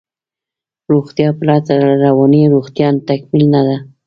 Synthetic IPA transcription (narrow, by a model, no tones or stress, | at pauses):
ɾoɣt̪jɑpəlɑt̪aɾawɑniɾoxt̪jɑnt̪akmilnad̪a